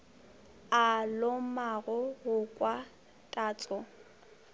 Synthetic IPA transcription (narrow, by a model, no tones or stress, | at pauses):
alomaɣʊɣʊkʼwa | tʼaːt͡sʼɔ